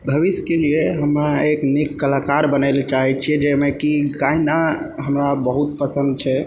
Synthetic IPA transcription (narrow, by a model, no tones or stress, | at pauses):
bʱəʋisjkelieɦəmɾaeknikːəlakaɾbənəlt͡ʃaɦɛt͡ʃʰiɛd͡ʒemekiɡainaɦəmɾabəɦut̪̚pəsə̃nd̪̚t͡ʃʰɛ